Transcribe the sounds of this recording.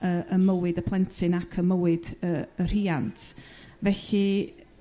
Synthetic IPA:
əʔəməwɪdəpʰlˠɛntʰɨnakʰəməwɪdəər̥iːantʰ | vɛɬi

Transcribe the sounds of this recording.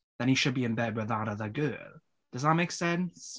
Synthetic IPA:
ðə̃niʃɨd̚biɨ̃nbɛd̚wɪðəɾʌðəɡɜːlˠ | d̥ʌzðəʔ̚meɪksɛ̃ns

